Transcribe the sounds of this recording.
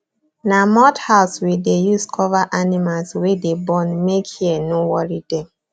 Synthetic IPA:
namɔthaʊswildejuskʰɔvaʔanimalswedebɔ̃nmekhiɛnowɔɹidɛ̃m

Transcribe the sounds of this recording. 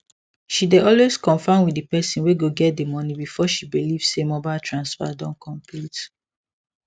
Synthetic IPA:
ʃideɔlweskɔ̃nfãɪ̃nwiepɛsĩnweɡoɡɛt̚demɔnibifɔʃibiliv̥semɔbaɪltʰɹãnsfa̰dɔ̃nkʰɔ̃mplit

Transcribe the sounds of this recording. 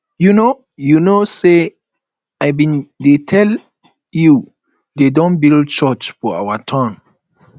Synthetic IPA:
juno | junose | aɪbĩndetʰɛl | ju | dedɔ̃nbild̚t͡ʃɔt͡ʃfɔa̰watʰãn

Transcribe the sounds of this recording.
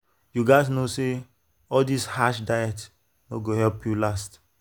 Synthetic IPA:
juɡaɪs̬nose | ɔldishaʃdajɛt | noɡohɛlpjulast

